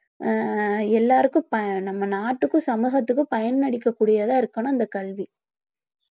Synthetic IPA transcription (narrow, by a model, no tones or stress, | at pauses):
ɛlːaːɾɯkːɯ̃pɐnɐmːɐnaːʈːɯkːɯ̃sɐmuːɣɐt̪ːɯkːɯpɐjɐnnɐɽɪkːɐkːuːɽɪjaːðaːɪɾɯkːɐnõɪnd̪ɐkɐlʋi